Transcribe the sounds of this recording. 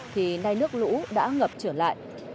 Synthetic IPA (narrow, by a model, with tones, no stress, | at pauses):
t̪ʰi˨˩na˧jnɨ˦˥ək̚lṵ˧˥ɗa̰ː˧˥ŋə˨˩p̚t͡ɕəː˧˩la̰ː˧˨jʔ